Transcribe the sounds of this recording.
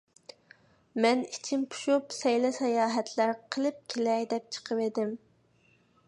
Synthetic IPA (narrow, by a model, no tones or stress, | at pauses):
mɛnit͡ʃʰimpʰu̥ʃupsɛjlɛsɛjɑːɦɛt̪ʰlæɾqʰəlˠɨp̚kʲʰelɛjd̪ɛp̚t͡ʃʰə̥qʰəwed̪ɪm